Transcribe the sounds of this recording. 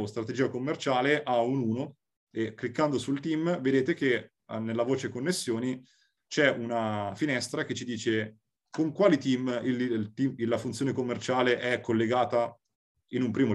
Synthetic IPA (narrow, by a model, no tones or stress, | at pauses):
st̪ɾat̪ed͡ʒiːakomːert͡ʃaːleʔaunuːno | ekːlikːand̪osult̪imved̪eːt̪ek̟e | nːelːavoːt͡ʃekonːesːjoːni | t͡ʃɛunafinɛst̪ɾaket͡ʃːid̪iːt͡ʃe | koŋkwaːlit̪imilt̪imilːafunjoːnekomːert͡ʃaːleʔɛkʰːolːeɡaːt̪a | inumpɾiːmo